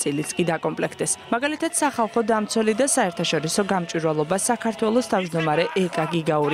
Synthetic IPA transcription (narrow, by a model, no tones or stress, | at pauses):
sʼilit̪sʼkʼid̪akʼɔmpʼlɛkʰt̪ʼɛsmaɡalit̪ʰad̪̥saχalˠχɔd̪amt̪sʰwɛlid̪asaɛɾt̪ʰaʃɔɾisɔɡamt͡ʃʼwiɾvalˠɔbasakʰaɾt̪ʰwɛlˠɔst̪ʰavd͡ʒd̪ɔmaɾɛʔɛkʼaɡiɡauɾi